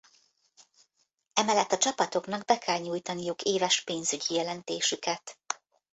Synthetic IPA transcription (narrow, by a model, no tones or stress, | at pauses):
ɛmɛlːɛt̪ːɒt͡ʃɒpɒt̪o̞kn̪ɒɡbɛkʰɛlɲuːjt̪ɒnijukeːvɛʃpeːnzyɟijɛlɛnt̪eːʃykɛt̪